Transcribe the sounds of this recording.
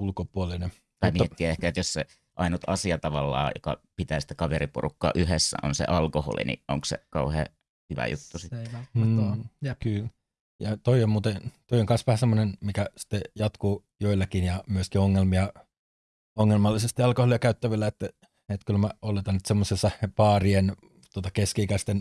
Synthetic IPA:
ulkopuoline | t̪ɑimiɛt̪ːiæehkæet̪josse | ʔɑinut̪ɑsiɑt̪ɑʋɑlːɑ̰ːjo̰kɑ̰pit̪æːsi̥t̪ːæ̥kɑʋeɾiporukːɑ̰ːʔyhesːæ̰ʔo̰nsḛʔɑlkoho̰lḭnḭʔo̰ŋksḛkɑuhḛː | hyʋæ̰jut̪ːusit̪ː | jkyl | jɑt̪oiommuːt̪et̪oioŋkɑnsʋæhæsemːonenmikæsi̥t̪ːejɑt̪kuː | joilːɑkinjɑmyøskioŋːelmiɑ | oŋːelmɑlːisest̪iɑlkoholiɑkæyt̪ːæʋilːæet̪ːæ | et̪kylmæolːet̪ɑnːnyt̪semːosesːɑpɑːrien | t̪uot̪ɑkeskiikæst̪en

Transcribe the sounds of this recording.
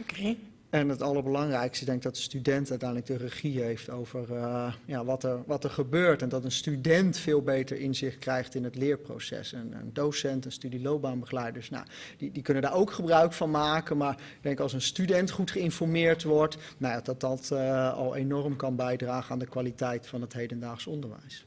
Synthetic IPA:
ɛnətɑlˠəɹbəlɑŋrɛjkstəɡdɛŋkɪɡ̚dɑtənstydɛntœɥtɛjnləɡ̚dərəχiɦejftowvəɹjaʋɑtəɹʋɑtəɹχəbøːɹtɛndɑtənstydɛntfɪːlˠbejtəɹʔɪnzɪχt̚krɛjχtɪnətlɪːɹpro̰wsɛ̰sənə̰ndowsɛntənstydilowp̚baːnbəχlɛjdəɹsna̰ | didikɵnəndaːɹowkχəbrœɥkfɑnmaːkənmaːɹ | ɡdɛŋkɑlˠs̬ənstydɛntχutχəɪnfɔɹmɪːɹtʋɔɹtnajadɑt̚ɑtɑ̰lˠḛjnɔrəmkɑnbɛjdraːχənaːndəkʋalitɛjtfɑnətɦejdəndaːχsɔndəɹʋɛ̰js

